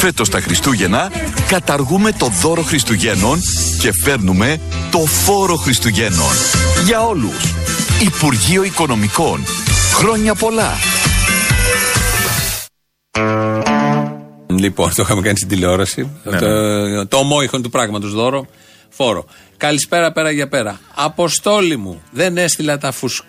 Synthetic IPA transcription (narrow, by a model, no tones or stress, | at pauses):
fe̞t̪o̞st̪ɐxɾist̪uʝe̞nɐkɐt̪ɐɾɣume̞t̪o̞ðo̞ɾo̞xɾist̪uʝe̞no̞nce̞fe̞ɾnume̞ | t̪o̞fo̞ɾo̞xɾist̪uʝe̞no̞̰nʝɐo̞lṵs | ipuɾʝio̞iko̞no̞miko̞nxɾo̞ɲɐpo̞lɐ̰ | lipo̞̰nt̪oixɐmekɐnist̪id̪ile̞o̞ɾɐsi | t̪omo̞ixont̪upɾɐɣmɐt̪o̞zðo̞ɾo | fo̞ɾo̰ | kɐlispe̞ɾɐpe̞ɾɐʝɐpe̞ɾɐɐpo̞st̪o̞limuðe̞ne̞st̪ilɐt̪ɐfus